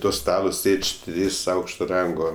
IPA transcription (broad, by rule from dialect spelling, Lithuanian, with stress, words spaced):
ˈtoː ˈstɑːlˠoː ˈsʲeːt͡ʃʲ ˈtʲrʲiːs ˈɐʊkʃtoː ˈrɐŋɡoː